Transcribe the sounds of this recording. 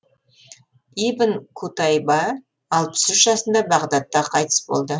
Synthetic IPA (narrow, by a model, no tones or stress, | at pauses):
ibənkʰut̪ɑjbɑː | lˠpə̥sʏʃʒɑsənd̪ɑbɑʁd̪ɑt̪ːɑqʰɑjt̪ə̥sbo̰lˠd̪ə